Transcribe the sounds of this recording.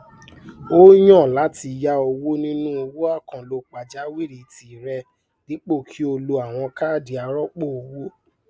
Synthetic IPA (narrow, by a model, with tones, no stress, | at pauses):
o˦j̃ɔ̃˦˨la˨˦ti˧ja˧o˧wo˦nĩ˦nũ˦o˧wo˦a˦˨kã˨lo˨˧k͡pa˨d͡ʒa˨˦wi˦˨ɾi˨ti˨ɾɛ˧ | nĩ˨˦k͡po˦˨kʰi˦o˧lo˧a˨w̃ɔ̃˧ka˦˨di˨a˨˧ɾɔ˦k͡po˦˨o˧wo˦